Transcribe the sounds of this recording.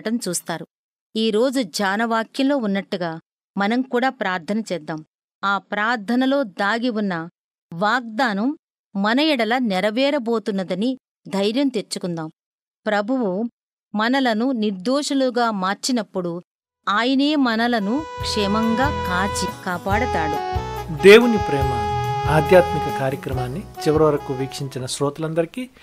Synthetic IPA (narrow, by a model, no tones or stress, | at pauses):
ʈɐmt͡ʃuːst̪aːɾu | iːɾo̞ːd͡ʒud͡ʒaːnɐʋaːkjɐllo̞ːunːɐʈːuɡaː | mɐnɐmkuːɽaːpɾaːɾd̪ʰʱɐnɐt͡ʃɛːd̪ːaːm | aːpɾaːɾd̪ʱɐnɐlo̞ːd̪aːɡiwunːɐ | ʋaːɡ̚d̪aːnɐmː | ɐnɐjɛɽɐlɐnɛɾɐʋɛːɾɐbo̞ːt̪unːɐd̪ɐni | d̪ʱɐjɾjɐmt̪eɾt͡ʃːukund̪aːm | pɾɐbʱuʋu | mɐnɐlɐnuniɾd̪oːʂɐluɡaːmaːɾt͡ʃinɐpːuɽu | aːjɐne̞ːmɐnɐlɐnukʂɛːmɐŋɡaːkaːt͡ʃikaːpaːɽɐt̪aːɽud̪eːwunipɾeːmɐaːd̪ʱjaːt̪mikɐkaːɾjɐkɾɐmaːnːit͡ʃiʋɐɾiʋɐɾɐkuʋiːkʂiɲt͡ʃinɐsɾɔːt̪ɐlɐnd̪ɐɾiki